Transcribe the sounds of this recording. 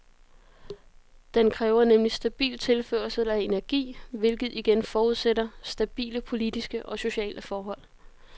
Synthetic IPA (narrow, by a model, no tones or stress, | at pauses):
d̥enkʰʁɛːʊɐnemlisd̥æb̥ḭːlt͡sʰe̝lføɐlsəlæe̝næɐɡ̥ḭːʋe̝lɡ̥ð̞̩ˠiɡ̥enfɒːuð̞ˠsedɐsd̥æb̥ḭːləpʰo̝lid̥isɡ̥əʔɒ̽so̝ɕɛ̰ːlʔəfɒːɦɒ̽l̰